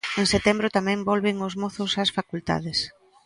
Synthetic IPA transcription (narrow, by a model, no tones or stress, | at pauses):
eŋset̪ɛmbɾʊt̪amɛ̃mbɔlβɪŋʊzmɔθʊsɐsfakult̪a̰ðɪs